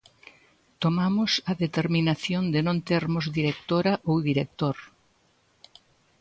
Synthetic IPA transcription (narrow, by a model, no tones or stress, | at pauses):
t̪omamʊsɐðet̪eɾminaθjond̪enõnt̪eɾmʊzðiɾek̚t̪oɾɐʔowðiɾek̚t̪oɾ